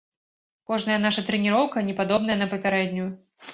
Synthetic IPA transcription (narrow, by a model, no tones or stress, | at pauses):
kɔʐnɐjɐnaʂɐt̪ɾɛnʲiɾɔwkɐnʲɛpad̪ɔbnɐjɐnɐpɐpʲaɾɛd̪ʲnʲuj